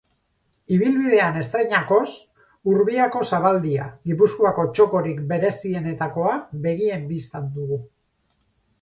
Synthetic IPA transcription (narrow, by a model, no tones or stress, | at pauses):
iβ̞ilβiðe̞ane̞st̪ɾeɲako̞s | uɾβiako̞saβald̪ia̰ɣipuskoako̞t͡ʃo̞ko̞ɾikbe̞ɾe̞sie̞ne̞t̪ako̞aβe̞ɣie̞mbist̪and̪uɣu